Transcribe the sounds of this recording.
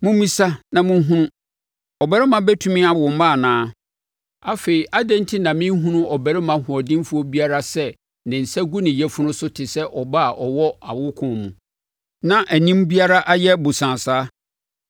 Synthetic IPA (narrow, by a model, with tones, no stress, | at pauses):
mʊ̃˦mĩ˦sa˦nã˨mʊ̃˦ɦũ˦nʊ̃˦ | ɔ˨bæ˦ɾɪ˦mã˨bæ˦tʰũ˦mɪ̃˦a˨ɔ̃˨m˦mã˦˨nãː˨˦ | a˦fe˨i˨ʔa˦dɛ̃˦n˦tʰɪ˦nã˨mɪ̃˦n˦ɦũ˦nʊ̃˦ʔɔ˨bæ˨ɾɪ˦mã˨hʊ˨ɔ˨dɪ̃˦mfʊ˦ɔ˦bi˦a˦ɾa˦sɛ˦ | nɪ̃˨n̩˨sɛ˦ɡu˦nɪ̃˨jɛ˦fʊ˦nʊ̃˦sʊ˦tʰɪ˨sɛ˦ʔɔ˨ba˦a˨ʔɔ˨wɔ˦a˨wʊ˦kʰʊ̃˨mũ˨ | nã˦ʔæ˨nĩ˦mbi˦a˦ɾa˦ʔa˦jɛ˦bʊ˨sã˨saː˦